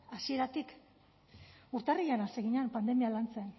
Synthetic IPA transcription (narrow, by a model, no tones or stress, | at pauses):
asie̞ɾat̪ik | uɾt̪arijanaseɣiɲanpand̪e̞mialant͡sen